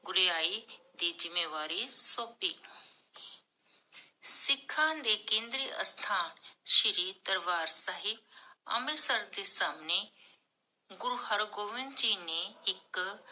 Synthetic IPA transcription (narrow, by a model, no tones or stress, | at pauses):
ɡʊɾijaːid̪iːzɪmeːʋaːɾisoːpiː | sɪkʰːaːnd̪ekẽːnd̪ɾiːʔɐ̰st̪ʰaːnʃiɾiːd̪ɐɾʋaːɾsaɦib̚ɐ̰mesɐɾd̪eːsaːmne | ɡʊɾuɦɐɾɡoːʋɪnt͡ʃiːnẽɪk